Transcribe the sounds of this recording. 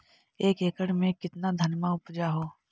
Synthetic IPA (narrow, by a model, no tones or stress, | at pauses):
eːkeːkəɽmẽkɪt̪nad̪ʱɐnmaʊpd͡ʒaɦoː